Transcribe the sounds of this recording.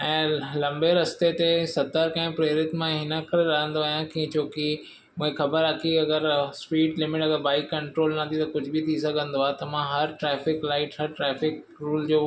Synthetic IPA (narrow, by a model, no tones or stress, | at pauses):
ɛ̃ːlɐ̃mbeɾɐst̪et̪esɐt̪əɾkɐ̃ɦɪ̃pɾeːɾɪt̪mãɦɪnə̆kɐɾeɾɐɦə̃nd̪oaɦjãkĩt͡ɕʰoːki | mũːɦẽxɐbəɾaːkʰiɐɡəɾspiːɖlɪmɪʈɐɡəɾbaːikɐ̃ɳʈɾoːlnɐ̃t̪ʰit̪ɐkʊd͡ʑʱʊbɪt̪ʰis̬ɐɡʱə̃nd̪oaːt̪ɐmãɦɐɾʈɾɛːfɪklaːɪʈɦɐɾʈɾɛːfɪk | ɾuːld͡ʑoː